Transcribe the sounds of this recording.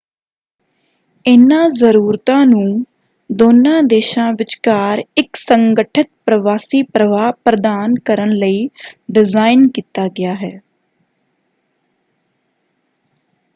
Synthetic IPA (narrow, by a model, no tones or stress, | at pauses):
ɪnãːzəɾuːɾt̪ãːnũː | d̪oːnãːd̪eːʃãːʋɪt͡ʃkaːɾɪksəŋɡəʈʰɪt̪̚pɾəʋaːsiːpɾəʋaːpɾəd̪aːnkəɾənləiːɖɪzaːɪnkiːt̪aːɡɪjaːɦɛː